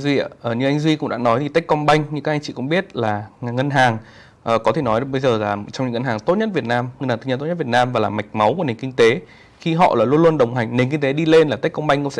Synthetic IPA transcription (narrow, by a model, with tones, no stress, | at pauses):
zwi˧ə˧˨ʔəː˨˩ɲɨ˧ʔa˧ŋ̟zwi˧kʊ̰˧˥ŋ͡mɗa̰ː˧˥nɔ˨˦jt̪ʰi˨˩˦jk̟kɔ˧ŋ͡mɓa˧jŋ̟ɲɨ̰˧kaː˦k̚a˧ŋ̟t͡ɕḭ˧˨kʊ̰˧˥ŋ͡mɓi˦˥ət̚laː˨˩˨ŋə˧nɦaː˨˩ŋ | ʔəː˨˩kɔ˨˦t̪ʰe˨˩nɔ˨˦jɓə˧jzəː˨˩laː˨˩t͡ɕɔ˧wŋ͡mɲɨ̰˧˥ŋə˧nɦaː˨˩ŋt̪o˦˥t̚ɲə˦˥t̚vi˨˩ət̚naː˧mŋə˧nhaː˨˩t̪ɨ˧ə˧t̪o˦˥˦vi˨˩t̚naː˧mvaː˨˩laː˨˩ma˨˩jk̟̚ma˨˦wku˧˩ne˨˩nkï˧ŋ̟t̪e˨˦ | xi˧ɦɔ̰˧˨laː˨˩lu˧ənlu˧ənɗə˨˩wŋ͡mɦa˨˩jŋ̟ne˨˩nki˧ŋ̟t̪e˨˦ɗi˧le˧nlaː˨˩t̪a˦˥kkɔ˧ŋ͡mɓa˧jŋkʊ̰˧˥ŋ͡msɛ̰˧˥